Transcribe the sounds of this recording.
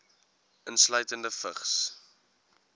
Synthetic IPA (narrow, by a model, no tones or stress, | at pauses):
ʔənslœɥtəndəfəχs